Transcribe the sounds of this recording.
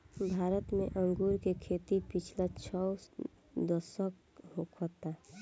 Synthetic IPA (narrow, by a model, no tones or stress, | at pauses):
bʱaːɾət̪mẽʔə̃ŋɡuːɾkekʰet̪ipit͡ʃʰlat͡ʃʰɔ | d̪əsək | hokʰɔt̪a